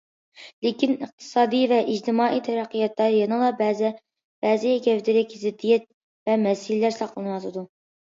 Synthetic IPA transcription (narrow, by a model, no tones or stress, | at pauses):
lɪkʲinəq̚t̪ʰɨ̥sɑːd̪ijvɛʔid͡ʒt̪ʰɪmɑːʔit̪ʰɛɾæqʰːəjɑt̪lɑɾjɑnɨŋlˠɑbɛzɪ | b̥ɛːzɪjɛkʲʰɛvd̪ɪɾɪkʲzɪd̪ːijɛt̪̚ | vɛmɛsɪlɪlæɾsɑqlˠɨnɨwɑt̪ʰɨd̪u